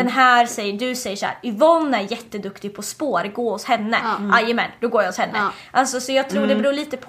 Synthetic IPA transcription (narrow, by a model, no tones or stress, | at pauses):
ɛnɦæːɾsɛjːəɖɵsɛjːəʂɔhæ̰ːɾɪvɔnːæɾjɛt̪ːəd̪ɵkt̪ɪɡ̚pʰɔspoːɾɡoːhʊshɛnːəʔajːəmɛnd̪ɔɡoːjahʊshɛnːəʔalsɔsɔjɑːɡ̚t̪ʰɾuːɖɛbɾuːɭiːt̪əpʰ